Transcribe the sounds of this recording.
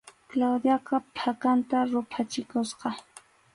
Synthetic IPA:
klawd̪jakapʰakant̪aɾʊpʰat͡ʃɪkosqɑ

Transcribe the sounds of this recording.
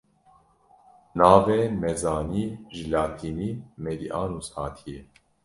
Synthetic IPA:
naːveːmɛzɑːniːʒɨlaːt̪ʰiːniːmɛd̪iʔɑːnushaːt̪ʰijɛ

